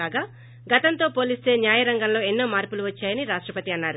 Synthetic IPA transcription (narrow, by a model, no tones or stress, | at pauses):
aːɡaː | ɡɐt̪ɐnt̪o̞ːpo̞ːlist̪e̞ːnjaːjɐɾɐŋɡɐmlo̞ːenːo̞ːmaːɾpuluʋɐt͡ʃːaːjɐniɾaːʂʈɾɐpɐt̪iɐnːaːɾu